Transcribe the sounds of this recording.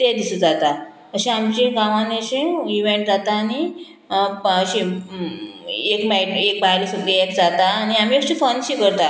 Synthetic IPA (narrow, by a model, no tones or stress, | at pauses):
t̪ed̪isũd͡zat̪a | əɕĩamt͡ɕĩɡãʋãneɕĩiʋẽɳʈ̚d͡zat̪aːni | əɕĩ | ekmajʈek̚bajlisuɡleekd͡zat̪aːniam̤iət͡ɕifənɕikəɾt̪a